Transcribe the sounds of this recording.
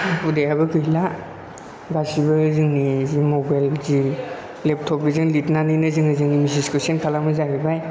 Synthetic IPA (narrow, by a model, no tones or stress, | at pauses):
udejabɯɡʰɯjla | basibɯzɯŋnizimɔbajlzi | lep̚tʰɔp̚bizɯŋlitnanɯnɯzɯŋɯzɯŋnimisiskʰɯsenkʰalamɯzaɡibaj